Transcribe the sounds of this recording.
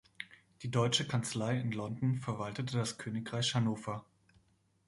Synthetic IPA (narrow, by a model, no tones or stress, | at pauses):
d̥iːdɔʏt͡ʃəkʰant͡slaɪɪnlɔndn̩fɛɐvaltətʰədaskʰøːnɪkʁ̥aɪçhanoːfɐ